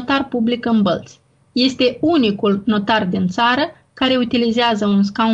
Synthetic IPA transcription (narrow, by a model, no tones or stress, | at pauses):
t̪arpublikɨnbəlt̪sʲ | je̞st̪e̞unikulno̞t̪ard̪int̪saɾə | kaɾe̞ut̪ilizeazəuns̬ka